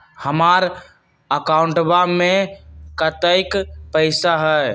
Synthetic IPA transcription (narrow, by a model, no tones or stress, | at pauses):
həmaɾ | əkauɳʈbamekət̪əɪkpəɪsaɦɛ